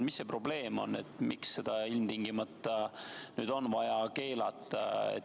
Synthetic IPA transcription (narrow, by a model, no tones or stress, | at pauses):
misːe̞pro̞ble̞ːmo̞̰nːet̪ːmiksːe̞d̪̥ɑilmt̪iŋɡimɑt̪ˑːɑnyːd̪̥o̞nvɑjɑke̞ːlɑt̪ˑːɑ̰ḛt̪